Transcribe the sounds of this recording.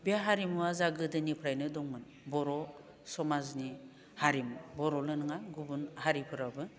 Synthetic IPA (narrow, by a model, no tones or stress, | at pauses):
bijaɦaɾimuwazaɡɯdɯnipʰɾajnɯdɔŋmɯn | bɔɾɔ | sɔmazni | haɾimbɔɾɔlɯnɯŋaɡubunhaɾipʰɯɾabɯ